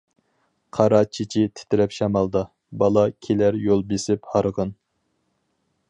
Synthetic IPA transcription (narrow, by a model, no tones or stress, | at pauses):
qʰɑɾɑt͡ʃʰit͡ʃʰit̪ʰɪ̥t̪ʰɪɾɛpʃɑmɑlˠd̪ɑ | bɑlˠɑkʲʰelæɾjolˠbesɪphɑɾʁən